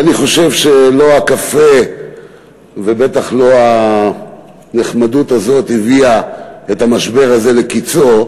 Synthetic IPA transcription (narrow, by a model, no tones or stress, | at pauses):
aniχo̞ʃe̞vʃe̞lo̞akafe̞ | vebe̞taχlo̞a | neχmadutazo̞thiviaetamaʃbe̞ʁaze̞le̞kit͡so̞